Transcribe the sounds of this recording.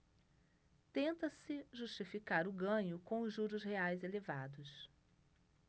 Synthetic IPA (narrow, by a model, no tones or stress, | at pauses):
t̪ẽnt̪ɐsɪʒuʃt͡ʃifikaɾʊɡɐ̃ɲʊkõʊzʒuɾʊzheajzeleva̰d̪ʊs